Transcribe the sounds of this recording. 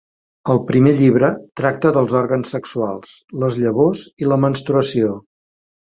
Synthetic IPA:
əlˠpɾimeʎiβ̞ɾət̪ɾak̚t̪əðəlˠzɔɾɣənsːəksualˠsləzʎəβoziləmənst̪ɾuəsio

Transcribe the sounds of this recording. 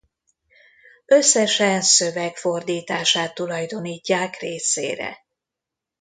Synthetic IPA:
ø̞sːɛʃɛnsøvɛkfo̞rd̪iːt̪aːʃaːt̪ːulɒjd̪o̞niːcːaːkreːsḛːɾɛ̰

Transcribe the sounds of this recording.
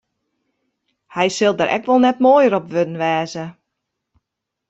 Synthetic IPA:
hɛjsɪlˠdəɾʔɛ̰kʋɔlˠnɛtmoːjəɾɔpʋødən̩ʋɛːzə

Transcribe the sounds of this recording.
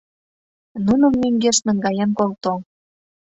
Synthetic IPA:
nunə̆mːyŋɡeʃnə̆ŋɡɑjenkolt̪o

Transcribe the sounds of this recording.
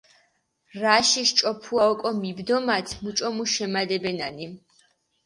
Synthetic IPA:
ɾaʃiʃt͡ʃʼɔpʰuaɔkʼɔmibd̪ɔmat̪ʰmut͡ʃʼɔmuʃɛmad̪ɛbɛnani

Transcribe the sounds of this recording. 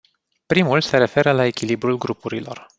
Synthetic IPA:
pɾimulseɾe̞fe̞ɾəlae̞kʲilibɾulɡɾupuɾilo̞̰r

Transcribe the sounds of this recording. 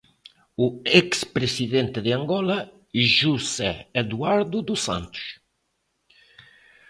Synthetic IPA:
uɛkspɾesiðɛnt̪ed̪eaŋɡɔla | iʒusɛːd̪uaɾd̪ud̪usa̰nt̪u̥s

